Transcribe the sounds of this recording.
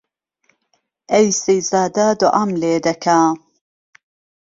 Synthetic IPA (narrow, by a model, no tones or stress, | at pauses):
ʔejsejzaːd̪aːd̪oʔɐmleːd̪ɐkʰaː